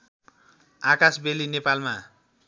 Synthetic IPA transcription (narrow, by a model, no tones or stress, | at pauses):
akasbelinepalma